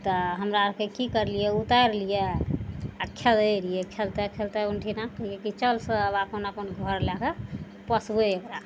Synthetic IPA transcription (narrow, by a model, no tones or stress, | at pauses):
t̪ɔɦəmɾakekikəɾlijɛut̪aɾlije | aɾkʰeld̪eɾijekʰelt̪ɛkʰelt̪ɛunʈʰinakəɦijekit͡ʃəlsə̃βapənapənɡʱəɾlɛke | pəsbeekɾa